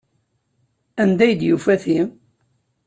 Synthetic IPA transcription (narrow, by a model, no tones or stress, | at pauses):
ænd̪æjəd̪jufæθim